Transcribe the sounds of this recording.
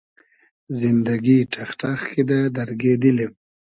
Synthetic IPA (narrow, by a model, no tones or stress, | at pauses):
zɪnd̪aɡiʈʰaxʈaxkid̪ad̪aɾɡed̪əlim